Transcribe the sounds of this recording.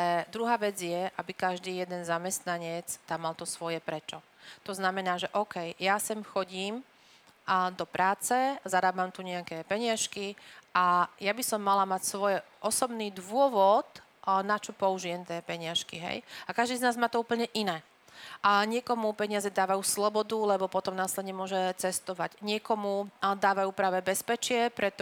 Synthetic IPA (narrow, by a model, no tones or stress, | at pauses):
ɛd̪ɾuɦaːʋɛd͡zɪjɛʔabikaʒd̪iːjɛd̪ɛnzamɛst̪naɲɪɛt͡st̪amːalt̪ɔsʋɔjɛpɾɛt͡ʃɔ | t̪ɔznamɛnaːʒɛʔɔʊkɛjjasɛmxɔɟiːm | d̪ɔpɾaːt͡sɛzaɾaːbamt̪uɲɛakɛpɛɲɪaʃkiʔajabisɔmːalamacsʋɔjɛ | ɔsɔbniːd̪ʋʊɔʋɔt̪ | nat͡ʃɔpɔuʒijɛmt̪jɛːpɛɲɪaʃkiɦɛ̰jakaʒd̪iːznaːzmaːt̪ɔuːpl̩ɲɛʔinɛː | ɲɪɛkɔmupɛɲɪazɛd̪aːʋajuːslɔbɔd̪ulɛbɔpɔt̪ɔmnaslɛd̪ɲɛmʊɔʒɛt͡sɛst̪ɔʋa̰ɟɲɪɛkɔmud̪aːʋajuːpɾaːʋɛbɛspɛt͡ʃɪɛpɾɛt̪ɔ